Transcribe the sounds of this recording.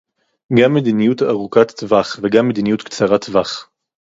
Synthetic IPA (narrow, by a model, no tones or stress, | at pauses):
ɡamːed̪inijut̪a̰ʁukat̪ːvaχveɡamːed̪inijut̪kt͡saʁat̪vaχ